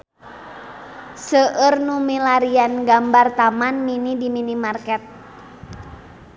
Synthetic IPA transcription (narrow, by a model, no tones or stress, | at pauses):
səʔərnumilaɾianɡambart̪amanminidiminimarkɛt̪̚